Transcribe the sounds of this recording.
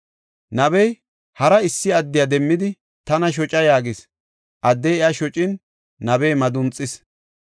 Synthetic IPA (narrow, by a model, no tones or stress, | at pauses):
nɐbɛj | hɐɾɐɪsːɪɐd̪ːɪjɐd̪ɛmːɪd̪ɪ | t̪ɐnɐʃ̬ɔt͡ʃʼɐjaːɡɪs | ʔɐd̪ːɛjɛjaʃɔt͡ʃʼɪnː | ɐbɛjmɐd̪ʊnt͡sʼːɪs